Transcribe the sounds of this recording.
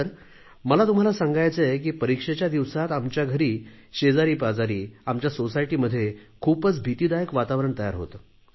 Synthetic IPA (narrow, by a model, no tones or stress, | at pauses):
əɾ | məlat̪um̤alasãŋɡajt͡səek̬iːpəɾikʂet͡ɕjad̪iʋsat̪amt͡ɕjaɡʱəɾiːɕed͡zaɾiːpad͡zaɾiːamt͡ɕjasosajʈiːməd̪ʱːjekʰuːpət͡sbʱit̪iːd̪ajəkʋat̪aʋɾəɳt̪əja̰ɾɦo̰t̪ə